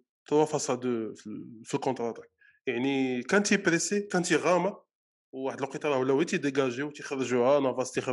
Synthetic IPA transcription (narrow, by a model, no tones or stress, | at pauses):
t̪ɑwɑfɑsɑd̪əffilkõt̪ɾɑt̪ak̚ | jaʕnikænt̪ipɾesekænt̪iɣɑma | wːaħəd̪əlqit̪ɑɾˤwlæwit̪id̪eɡæʒiwt̪ixəɾˤːʒuhænɑvɑst̪ix